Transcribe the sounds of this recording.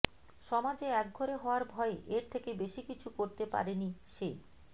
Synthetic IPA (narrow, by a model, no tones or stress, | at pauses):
ʃɔmad͡ʑeɛk̚ɡʱoɾeɦɔoaɾbʱɔeʔeɾt̪ʰekebeʃikit͡ɕʰukoɾt̪epa̰ɾeniʃe